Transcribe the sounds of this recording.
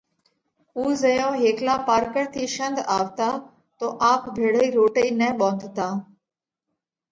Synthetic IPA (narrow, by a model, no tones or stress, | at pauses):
uːzəjõːɦeːklaːpaːɾkəɾt̪ʰiːʃə̃nd̪aːʋt̪aː | t̪oːʔaːpbʱeːɽəiːɾoːʈəiːnɛːɓɔ̃ːnd̪t̪aː